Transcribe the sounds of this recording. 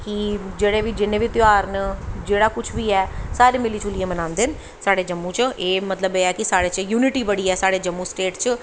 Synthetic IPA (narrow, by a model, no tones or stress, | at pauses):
kɪd͡ʒeːɽeːʋiːd͡ʒɪnːẽːʋiːt̪ɪaːɾnd͡ʒeːɽaːkʊt͡ʃʰʋiːɛːsaːɾeːmɪliːt͡ʃʊliẽmənãːnd̪eːn | saːɽeːd͡ʒəmːũːt͡ʃeːmət̪ləbeːɛːkɪsaːɽeːt͡ʃjuːnɪʈiːbəɽiːɛːsaːɽeːd͡ʒəmːũːsʈeːʈt͡ʃ